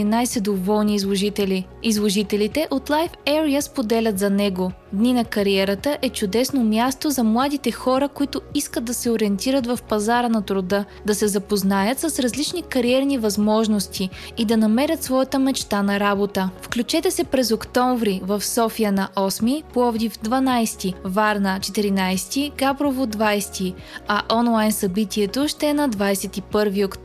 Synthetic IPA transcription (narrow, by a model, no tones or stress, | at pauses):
najsɛd̪ovɔlˠniːzlˠoʒit̪ɛlʲi | izlˠoʒit̪ɛlit̪ɛʔot̪lˠajfɛɾiəspod̪ɛlʲət̪zɐnɛɡo | d̪ninɐkɐɾiɛɾət̪əʔɛt͡ʃʊd̪ɛsnomʲjast̪ozɐmlˠad̪it̪ɛxɔɾəkʊit̪ʊiskəd̪̚d̪ɐsɛoɾiɛnt̪iɾət̪vɐfpɐzaɾənɐt̪ɾʊd̪ɤ | d̪ɐsɛzɐpoznajət̪sɐsɾɐzlit͡ʃnikɐɾiɛɾnivɐzmɔʒnost̪ʰi | id̪ɐnɐmɛɾʲət̪svɔjət̪əmɛt͡ʃt̪anɐɾabot̪əfklʲut͡ʃɛt̪ɛsɛpɾɛzokt̪ɔ̃ɱvɾivɐfsɔfijənɐʔɔsmipoɔvd̪ifd̪vɐnajst̪ivaɾnət͡ʃɛt̪iɾinajst̪iɡabɾovod̪vajst̪i | ɐʔɔnlˠajnsɐbit̪iɛt̪oʃt̪ɛɛnɐd̪vajsɛt̪ipɤɾviok̪